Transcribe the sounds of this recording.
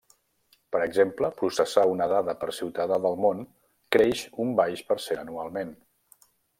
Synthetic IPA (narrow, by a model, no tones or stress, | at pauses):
pəɾəɡzempləpɾusəsaunəðaðəpəɾsiwt̪aðaðəlˠmon | kɾeʃumbajʃpəɾseənualˠmen